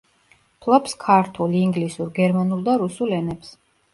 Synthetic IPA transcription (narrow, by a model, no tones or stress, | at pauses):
pʰlˠɔpskʰaɾt̪ʰulˠiŋɡlisuɾɡɛɾmanulˠd̪aɾusulɛnɛps